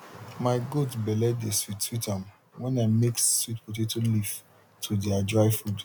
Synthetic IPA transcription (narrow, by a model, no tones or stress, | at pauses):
maɪɡotbɛlɛddeswitswitãm | wɛ̃nameksswitpɔt̬etuliv | tʰudiadɹaɪfud